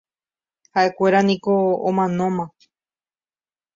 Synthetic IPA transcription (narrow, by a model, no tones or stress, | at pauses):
haʔe̞kʷe̞ɾanĩko̞̰ːmãnõ̞mã